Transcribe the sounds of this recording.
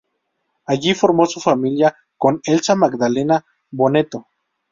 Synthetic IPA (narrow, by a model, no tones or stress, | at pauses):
aʝifoɾmosufamilja | konelsamaɡd̪alena | βonet̪o